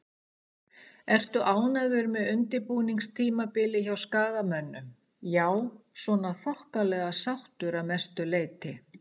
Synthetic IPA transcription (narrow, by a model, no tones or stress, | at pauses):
ɛr̥t̪ʏʔaːwnaðʏɾmɛðʏnt̪ɪɾpuniŋkst̪ʰiːmapɪlɪçawskaːɣamœnːʏm | jaːwsvɔːnaθaht̪alɛːɣasawht̪ʏɾamɛst̪ʏleːjt̪ɪ